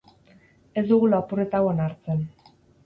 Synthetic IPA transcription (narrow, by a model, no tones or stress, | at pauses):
e̞zd̪uɣulapure̞t̪awoenaɾt͡se̞n